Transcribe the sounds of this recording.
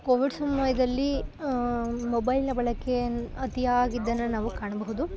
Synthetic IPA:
koːʋiɖsɐmʋɐjɐd̪ɐlːi | mɔbɐjlnɐbɐɭɐkːeɐt̪ijaːɡid̪ːɐnːɐnaːʋukaːɳɐbɐɦud̪u

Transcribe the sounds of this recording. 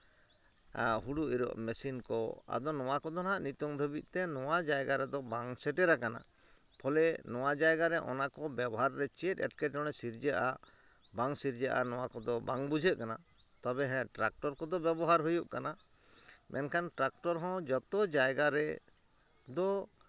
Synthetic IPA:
ɦuɽuʔiɾɔ̰ʔmɛsinkɔa̰d̪ɔnɔwakɔd̪ɔnaʔnit̪ɔŋd̪ʱəbic̪̚ˀt̪ɛnɔwad͡ʒajɡaɾɛd̪ɔbaŋsɛʈɛɾakana̰ | pʰɔlɛnɔwad͡ʒajɡaɾɛʔɔ̰nakɔbɛbɔɦaɾːɛt͡ʃɛt̪ɛ̰ʈkɛʈ̚ɔɽ̃ɛsiɾd͡ʒɛʔa̰ | baŋsiɾd͡ʒɛʔa̰nɔwakɔd̪ɔbaŋbud͡ʒʱeʔkana̰ | t̪ɔbɛɦɛ̃ʈɾak̚ʈɔɾkɔd̪ɔbjɛbɔɦaɾɦujuʔkana | mʔɛ̰nkʰanʈɾak̚ʈɔɾɦɔ̃d͡ʒɔt̪ɔd͡ʒajɡaɾɛ | d̪ɔ

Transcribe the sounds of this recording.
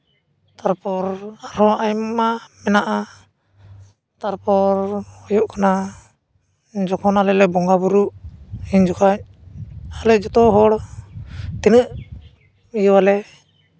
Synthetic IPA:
t̪aɾpɔɾaɾɔajmmamɛnaʔa | t̪aɾpɔɾhɔjuʔkʰana | d͡ʒɔkʰɔnalɛlɛbɔŋɡabuɾuʔhiɲd͡ʒɔkʰaɲ | alɛd͡ʒɔt̪ɔɦɔɽ | t̪inəʔ | ijəwalɛ

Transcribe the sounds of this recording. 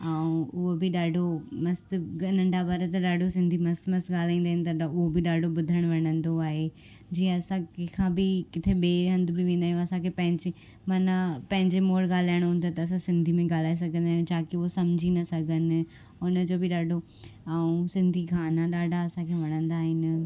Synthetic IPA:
aũʊɦobɪɗaːɖʱomɐst̪ɐnə̃ɳɖʱabaːɾət̪ɐɗaːɖʱosɪ̃nd̪ʱimɐst̪mɐst̪ɠaːl̤aːĩnd̪aːɦɪnɪ̆t̪ɐʊɦobɪɗaːɖʱobʊd̪ʱəɽ̃ʋɐɽ̃ə̃nd̪oaːɦe | d͡ʑiːə̃ɐsãkekʰãːbɪkɪt̪ʰeɓeːɦɐ̃nd̪bɪʋẽːn̆d̪aːɦj̃ɐsãkʰeːpɐ̃ɦɪ̃ɲd͡ʑe | maːnapɐ̃ɦɪ̃ɲd͡ʑemoːɽɡaːl̤aːɪəɽ̃ɦʊ̃ːn̆d̪ot̪ɐɐs̬ãsɪ̃nd̪ʱimẽɡaːl̤aːes̬ɐɡʱə̃nd̪aːɦjũd͡ʑʰaːkeʊɦosɐmd͡ʑʱinɐsɐɡʱənɪ̆ | ʊnə̆d͡ʑoːbɪɗaːɖʱo | ɐũsɪ̃nd̪ʱikʰãːnaɗaːɖʱaɐsãkʰeːʋɐɽ̃ə̃nd̪aːɦɪnɪ̆

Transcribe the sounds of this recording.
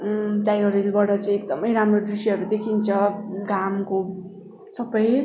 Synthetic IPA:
ʈajʌɾilbʌʈʌt͡saĩekd̪ʌmʌjɾamrodrisiɦʌɾud̪ekʰint͡sʰʌɡamko | sʌbʌj

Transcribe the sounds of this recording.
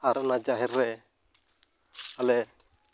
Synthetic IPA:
aɾɔnad͡ʒaɦɛɾːɛʔ | alɛ

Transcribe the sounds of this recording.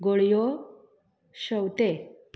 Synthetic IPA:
ɡoɭjɔ | ɕəwt̪ep

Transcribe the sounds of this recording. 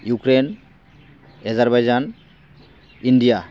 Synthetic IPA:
jukɾen | ɛzaɾbajzan | indija

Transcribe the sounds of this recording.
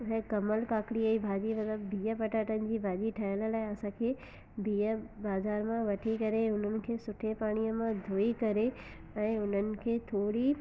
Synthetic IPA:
ʊɦẽkɐməlkaːkɽiəibʱaːd͡ʑimɐt̪ləbbʱiːəpɐʈaːʈənɪ̆d͡ʑiːbʱaːd͡ʑiʈʰaːəl̆laːɪɐsãkʰeː | bʱiːəbaːzaːɾmãʋɐʈʰikɐɾeʊn̤ənɪ̆kʰeːsʊʈʰepaːɽ̃iəmãd̪ʱoːikɐɾe | ɛ̃ːʊn̤ənɪ̆kʰeːt̪ʰoːɽi

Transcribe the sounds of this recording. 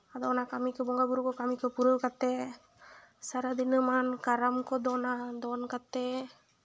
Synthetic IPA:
ad̪ɔnakamikɛbɔŋɡabuɾukɔkamikʰɛpuɾɯwkat̪ɛ | saɾad̪inɯmankaɾamkɔd̪ɔnad̪ɔnkat̪ɛ

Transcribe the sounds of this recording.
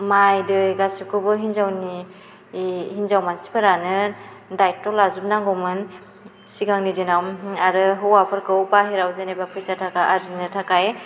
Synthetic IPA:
majdɯɡasikʰubɯɦinzawni | hinzawmansi̥pʰɯɾanɯdajtɔlazup̚naŋɡowmɯn | siɡaŋnidinawmaɾɯɦɯwapʰɯɾkʰɯwpaɦiɾawzenajbapʰɯsatʰakaʔaɾzinɯtʰakaj

